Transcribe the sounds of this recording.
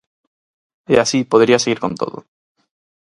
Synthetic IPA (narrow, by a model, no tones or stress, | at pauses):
easipoðɾiaseɣiɾkõ̞nt̪o̰ðo̰